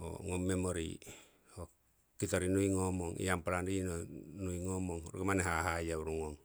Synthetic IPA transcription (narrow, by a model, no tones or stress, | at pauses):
o̰ŋomːemoɾḭ | o | kit̪oɾinuiŋomoŋʔḭampalandinonuiŋomoŋruɡemaneɦaɦajauɾuŋoŋ